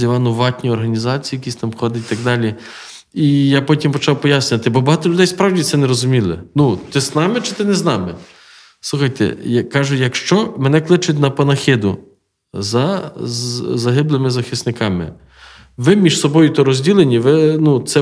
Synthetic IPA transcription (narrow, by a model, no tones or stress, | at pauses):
ɐʋɑnʊʋɑtʲnʲiɔrɦɐnʲizɑt͡sʲijːjɐkʲisʲt̪ɑmxɔd̪ɪt̪̚ʲt̪ɐɡ̚d̪ɑlʲi | ijapɔtʲimpɔt͡ʃɑwpɔjasʲnʲɐt̪ɪbɔbɐɦɑt̪ɔlʲʊd̪ɛjspɾɑwdʲit̪sɛnɛɾɔzʊmʲilˠɪ̰nut̪ɪznɑmɪt͡ʃɪ̥t̪ɪnɛznɑmɪ | slˠuxɐjt̪ɛ̰jɐkɑʒʊjɐkʃt͡ʃɔmɛnɛklˠɪt͡ʃʊtʲnɐpɐnɐxʲɪd̪ʊ | zɐ | zɐɦɪblˠɪmɪzɐxɪsnɪkɑmɪ̰ | ʋɪmʲiʒsɔbɔjʊt̪ɔɾɔzʲdʲilˠenʲiʋɪnut̪sɛ